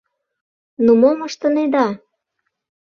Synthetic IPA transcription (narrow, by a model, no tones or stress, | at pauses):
numoməʃt̪ə̆ned̪ɑ